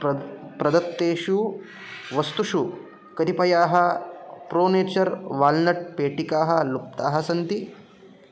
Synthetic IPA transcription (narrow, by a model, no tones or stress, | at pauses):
pɾɐd̪ɐt̪ːeːʃu | ʋɐst̪uʂu | kɐɾipɐjaːɦɐpɾoːneːt͡ʃɐɾʋaːlnɐʈ̚peːʈikaːɦɐlup̚t̪aːɦɐsɐnt̪i